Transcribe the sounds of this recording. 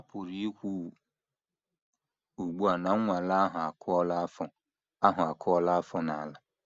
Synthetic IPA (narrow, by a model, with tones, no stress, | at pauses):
a˨pʰo˨ɾi˦e˦kʷu˦ | o˨ɡ͡bu˦a˨nã˦wʷã˨la˦ɦã˨a˨kʰʊ˦ɔ˦la˦fʊ̃˨ | a˦ɦʊ̃˨a˨kʰʊ˦ɔ˦la˦fʊ˦nã˨la˨